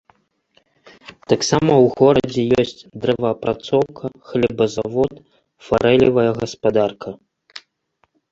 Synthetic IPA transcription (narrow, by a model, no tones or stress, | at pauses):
t̪aksamɐwɣɔɾɐd͡zʲɛjɔsʲt͡sʲd̪ɾɛvɐɐpɾat̪sɔwkʰɐxlʲɛbɐzavɔt̪ | faɾɛlʲivɐjɐɣɐspad̪arkʰɐ